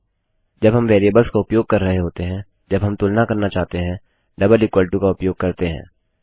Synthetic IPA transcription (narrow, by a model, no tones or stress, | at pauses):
d͡ʒɐbɦɐmʋɛːɾieːbəlskaʊpjoːɡ̚kɐɾːɐɦeɦoːt̪eɦɛ̃ | d͡ʒɐbɦɐmt̪uːlnakɐɾnat͡ʃaːɦt̪eɦɛ̃ | ɖɐbəlɪkwəːlɪʈukaʊpjoːɡ̚kɐɾt̪eɦɛ̰̃ː